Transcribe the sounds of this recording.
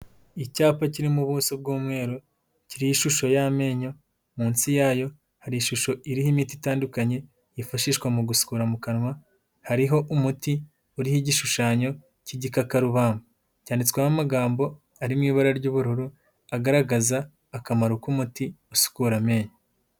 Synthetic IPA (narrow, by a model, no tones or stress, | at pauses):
icaːpaciɾimuβuːsob̚ɡuːmŋe̞ːɾu | ciɾijiʃuʃo̞jame̞ːɲo̞ | muːnsijaːjo̞ | haɾiiʃuʃo̞iɾihimiːtitaːndukaɲe̞ | jifaʃiːʃkwamuɡusu̥kuɾamukanwa | haɾiɦo̞ʔumuti | uɾihiɟiʃuʃaːɲo̞ | ciɟikakaɾuβaːmbu | caːndit͡se̥kwahamaɡaːmbo̞ | aɾimŋiːβaɾaɾɟuːβuɾuɾu | aɡaɾaɡazaː | kamaɾukumuti | usu̥kuɾame̞ːɲo